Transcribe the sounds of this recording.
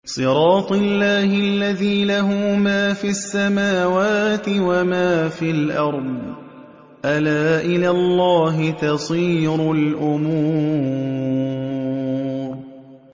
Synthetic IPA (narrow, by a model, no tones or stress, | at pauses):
sˤɨɾˤɑːt̪ˤɨlːaːhɪalːaðiːlaɦuːmaːfiasːamaːwaːt̪ɪwamaːfilʔɑɾˤd̪ˤ | ʔalaːʔɪlaːlˤːɑːɦɪt̪ɑsˤiːɾʊlʔʊmu | ɾ